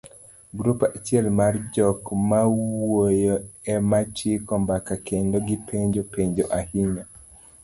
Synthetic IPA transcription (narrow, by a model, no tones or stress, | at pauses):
ɡɾupat͡ʃjɛlmard͡ʒɔkmawojoɛmat͡ʃikɔmbakakʰendoɡɪpʰeɲd͡ʒopeɲd͡ʒoʔahiɲa